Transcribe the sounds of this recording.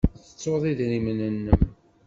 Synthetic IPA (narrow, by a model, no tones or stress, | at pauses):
θə̥t͡sːoðˤiðɾimnənːəm